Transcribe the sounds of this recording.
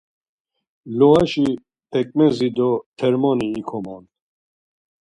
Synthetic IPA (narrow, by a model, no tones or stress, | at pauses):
lɔɣaʃi | pʰɛkʼmɛzid̪ɔt̪ʰɛɾmɔniːkʰɔman